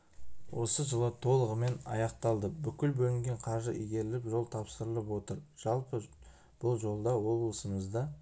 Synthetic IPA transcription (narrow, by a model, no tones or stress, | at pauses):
wo̞səʒəlˠət̪ʰo̞lˠəʁəme̞nɑ̰jɑqt̪ɑlˠd̪əbʏkʲɪlbɵlɪŋɡʲe̞ɴqʰɑʒəʔijɡʲe̞ɾɪlɪpʒo̞lˠt̪ʰɑpsəɾəlˠəpwo̞t̪əɾʒ̥ɑlˠpə | b̥ʊlˠʒo̞lˠd̪ɑwo̞blˠəsəməzd̪ɑ